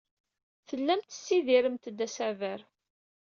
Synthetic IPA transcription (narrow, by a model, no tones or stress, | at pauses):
θəlːæmt̪ə̥sːiðiɾəmt̪əd̪ːæsævəɾ